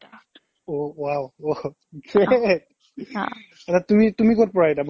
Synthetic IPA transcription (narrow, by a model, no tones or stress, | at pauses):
owawo | dɹet̚ | ɛtatumitumikot̚pɔɹaɛdab